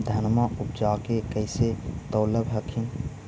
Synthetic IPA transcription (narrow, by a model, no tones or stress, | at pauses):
d̪ʱənmaup̚d͡ʒakekəɪset̪əwləbʱɦəkʰin